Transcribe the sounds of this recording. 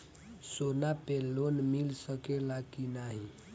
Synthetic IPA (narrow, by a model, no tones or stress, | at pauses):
sonapelːonmilsəkelakinaɦi